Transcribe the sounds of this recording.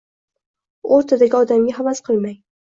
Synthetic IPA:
oɾt̪ʰad̪aɡʲiɒd̪amɡʲaɦavasqʰɨlˠmaj

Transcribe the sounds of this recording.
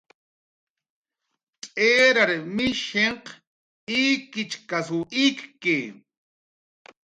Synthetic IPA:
t͡sʼeːɾaɾmɪʃeɴq | iːkɪt͡ʃkasuʔikke

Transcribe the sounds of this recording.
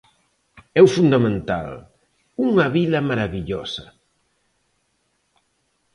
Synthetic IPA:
ɛwfund̪ɐmẽnt̪a̰l | uŋɐβilɐmaɾaβiʎɔ̰sɐ

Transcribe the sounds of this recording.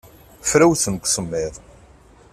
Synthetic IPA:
fɾæwθənkʷːsəmːɪðˤ

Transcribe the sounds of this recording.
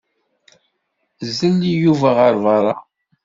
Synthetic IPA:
zːəlːijuvæʁəɾˤvɑɾˤɑ

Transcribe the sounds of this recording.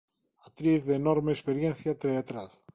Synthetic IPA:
ɐt̪ɾiθðenoɾmespeɾʝenθiɐt̪ɾeːt̪ɾɐs

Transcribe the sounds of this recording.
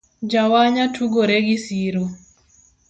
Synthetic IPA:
d͡ʒawaɲatʰuɡoɾeɡisiɾo

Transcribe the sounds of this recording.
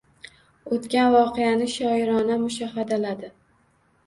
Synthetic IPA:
ot̪kʲanvɒqejanɪʃɒɪɾɒnamʊʃahad̪alad̪ɪ

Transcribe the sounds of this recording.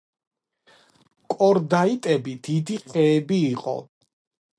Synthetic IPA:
kʼɔɾd̪ait̪ʼɛbid̪̥id̪iqʼɛːbiːqʼɔ̰

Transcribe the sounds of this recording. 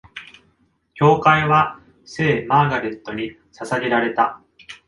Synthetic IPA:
kʲo̞ːkaiβa | se̞ːmaːɡaɾe̞t̪ːo̞ɲ̟i | sasaɡe̞ɾaɾe̞t̪a

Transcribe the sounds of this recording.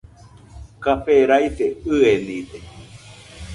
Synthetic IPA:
kaɸeɾajt̪eɨenid̪e

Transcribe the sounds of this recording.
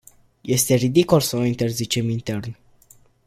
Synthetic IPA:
je̞st̪e̞rid̪ikolsəoint̪e̞rzit͡ʃe̞mint̪e̞rn

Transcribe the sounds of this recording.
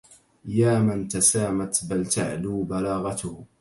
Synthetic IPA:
jaːmant̪asaːmat̪balt̪aʕluːbalaːɣɑt̪ʊh

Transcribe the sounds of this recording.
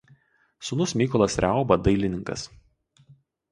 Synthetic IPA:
sʊnʊsmʲiːkɔlˠɐsɾʲaˑʊbɐd̪ɐɪlʲɪnʲɪŋkɐ̰s

